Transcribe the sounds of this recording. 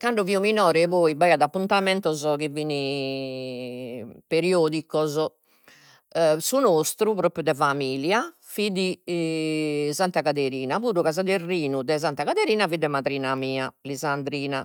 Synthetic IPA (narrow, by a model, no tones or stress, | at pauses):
kaɳɖɔviuminɔːɾɛvoːibajad̪apːunt̪amɛnt̪ɔzɔk̟ivini | peɾioːd̪ikɔzɔ | sunost̪ɾupɾoːpɾjud̪ɛvamiːlja | fid̪i | zant̪akat̪eɾiːnavuːðukazad̪erːiːnud̪ɛz̬ant̪akat̪eɾiːnavid̪ɛmat̪ɾiːnamiːalizand̪ɾiːna